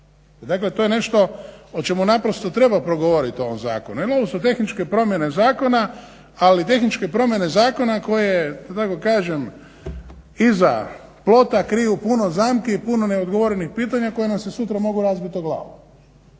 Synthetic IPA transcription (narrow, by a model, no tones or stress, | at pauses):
d̪akle̞t̪ojene̞ʃt̪o̞ot͡ʃe̞munapɾost̪ot̪ɾe̞bapɾo̞ɡoʋoɾit̪io̞ʋomza̰ːkonuilobosot̪e̞xnit͡ʃkepɾo̞mje̞ne̞zaːko̞na | alit̪̬e̞xnit͡ʃkepɾo̞mje̞ne̞zaːko̞nako̞jed̪̥at̪ako̞kaːʒe̞m | iza̰ | plˠo̞t̪akɾijupunozaːmkeipunoneod̪ɡoʋo̞ɾenixpiːt̪aɲako̞jenamsesut̪ɾamo̞ɡuɾazbit̪oɡlˠa̰ːʋo